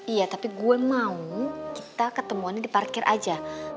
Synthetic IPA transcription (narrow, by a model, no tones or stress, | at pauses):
ijat̪apiɡuɛmaukit̪akət̪əmuanːadiparkɪrʔa̰d͡ʒa